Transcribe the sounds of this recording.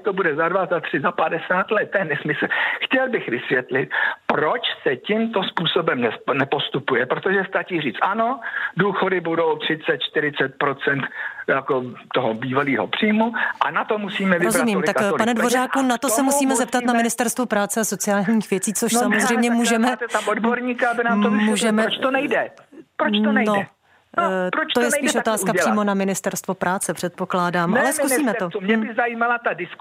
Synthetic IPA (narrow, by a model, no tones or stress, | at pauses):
t̪obudɛzadvazat̪r̝̥ɪzapadɛsaːt̪lɛt̪̚ːjɛnɛsmɪsl̩xcɛlbɪxvɪsvjɛt̪lɪt̪̚pɾot͡ʃsɛcɪmt̪o̞spuːso̞bɛmnɛnɛpo̞st̪upujɛpɾot̪o̞ʒɛst̪at͡ʃiːriːt͡st̪ʔano̞duːxo̞dɪbudo̞wt̪r̥ɪt͡sɛt̪̚t͡ʃt̪ɪɾɪt͡sɛt̪̚pɾo̞t͡sɛnt̪jakot̪oɦobiːvaliːɦo̰pr̥iːjmuʔa̰nat̪omusiːmɛvɪɾozumiːmmlɪakkpanɛdvo̞raːkunat̪osɛmusiːmɛzɛp̪̚at̪namɪnɪst̪ɛɾst̪vupɾaːt͡sɛasot͡sɪjaːlɲiːxvjɛt͡siːt͡soʃsamozr̝ɛjmɲɛmuːʒɛmɛodboɾɲiːkaabɪnaːmmuːʒɛmɛt͡ʃt̪onɛjdɛpɾot͡ʃ̪onɛjnoɛ | pɾot͡ʃ̪ojɛsiːʃʔot̪aːskapr̥liːmo̞namɪnɪst̪ɛɾst̪vopɾʔaːt͡sɛpr̥ɛt̪̚po̞klaːdaːmʔalɛskuiːmɛomɲɛbɪzajiːmalat̪adɪsk